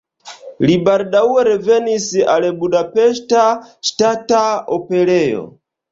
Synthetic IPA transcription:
libaɾɗauwɛɾɛvɛnisialɛbuɗapɛʃtaʃtataɔpɛlɛjɔ̰

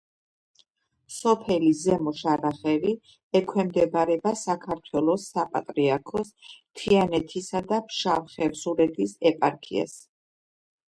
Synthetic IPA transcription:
sɔpʰɛlizɛmɔʃaɾaχɛɾi | ɛkʰwɛmd̪ɛbaɾɛbasakʰaɾt̪ʰwɛlˠɔsapʼa̰t̪ʼɾiaɾkʰɔst̪ʰianɛt̪ʰisad̪apʃavχɛvsuɾɛt̪ʰisɛpʼaɾkʰʼḭa̰s

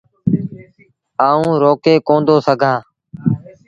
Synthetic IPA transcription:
aːũːɾoːkeːkoːnd̪oːsəɡʱãː

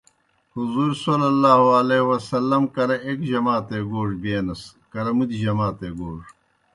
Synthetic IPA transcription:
huzuːɾsolɐlːaːɦoɐlewɐsɐlːɐmkɐɾɐeːkʑɐmaːt̪eɡoːʐbeːnɐs | kɐɾɐmud̪iʑɐmaːt̪eːɡoːʐ

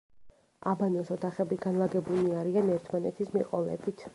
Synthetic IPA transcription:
ʔabanɔsɔt̪ʰaχɛbiɡanlˠaɡɛbuliaɾianɛɾt̪ʰmanɛt̪ʰismiqʼɔlɛ̰bit̪ʰ

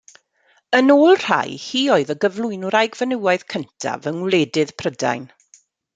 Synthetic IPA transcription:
ənoːlˠr̥a̰jhiːoːɨðəɡəvlˠʊɨnʊɾajɡvənɪwaɨðkʰəntʰa̰vəŋwlˠeːdɨðpʰrəda̰jn

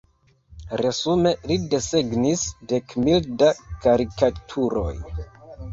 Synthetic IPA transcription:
ɾe̞sume̞lide̞seɡnisde̞kmildakaɾikatʰuɾo̞̰j

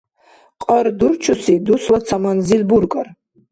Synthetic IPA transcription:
qʼɔɾd̪uɾt͡ʃʰusid̪uslat̪sʰamanzilbuɾkʼaɾ

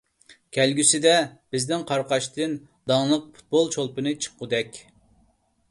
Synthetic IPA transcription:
kʲʰɛlɡʲysɪd̪ɛb̥ɪzd̪ɪnqʰɑɾqʰɑʃt̪ɨn | d̪ɑŋlˠəq̚pʰu̥t̪̚bolˠt͡ʃʰolˠpɨnɨt͡ʃʰə̥qːʊd̪ɛkʲ

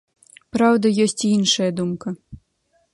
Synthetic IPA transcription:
pɾawd̪ɐjɔsʲt͡sʲiinʂɐjɐd̪umkɐ

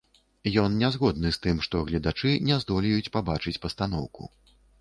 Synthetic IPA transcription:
jɔnnʲɛzɣɔd̪̚nɨst̪ɨmʂt̪ɔɣlʲɐd̪at͡ʂɨnʲɛzd̪ɔlʲɛjut͡sʲpabat͡ʂɨt͡sʲpɐst̪an̪ɔwkṵ

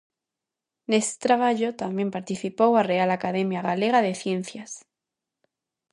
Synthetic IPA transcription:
ne̞st̪ɾaβaʎot̪amje̞mpaɾt̪iθipoware̞alakaðe̞mjaɣale̞ɣ̞aðe̞θje̞n̟θjas

